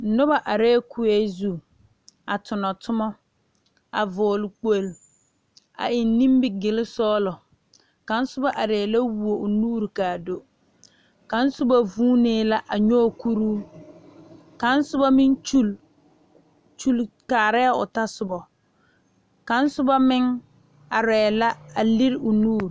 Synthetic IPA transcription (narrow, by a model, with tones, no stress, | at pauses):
nʊ˦ba˨ʔa˨ɾɛː˦kʰʊ˦e˦zu˦˨ | a˨tʊ˨nɔ˨tʰʊ˦mɔ˦ | a̰˨vʊː˨lk͡po˦˨l | a̰˨ʔɪ˨nː˦ĩ˦mbɪ˨ɡɪ˨lɪ˦sɔː˦lɔ˨ | ka˨˦n̩˦sʊ˦ba˦ʔa˨ɾeː˨la˦wu˨o˨ʊ˨nuː˦ɾi˨ka˨do˦ | ka˨˦n̩˦sʊ˦ba˦vuː˦neː˦la˦ʔa˨ɲɔː˦˨ku˦ɾuː˦ | ka˨˦n˦sʊ˦ba˦mɪ˦nt͡ʃu˦l | t͡ʃu˦lkaː˨ɾɛ˦˨ʊ̰˨ta˦sʊ˨bɔ˨ | ka˨˦n̩˦sʊ˦ba˦mɪ˦ŋ | a˨ɾɛː˨la˦a˨lɪ˦ɾɪ˦ʊ˨nuː˦ɾ